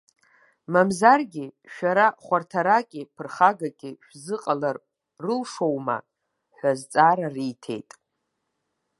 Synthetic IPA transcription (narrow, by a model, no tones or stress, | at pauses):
mamzarɡʲiʃᶣaɾaχʷartʰaɾakʲʼɪpʰɨrχaɡakʲʼiʃᶣzɨqʼalar | rɨlʂo̞wma̰ | ħʷᶣazt͡sʼaɾarijtʰe̞̰jtʼ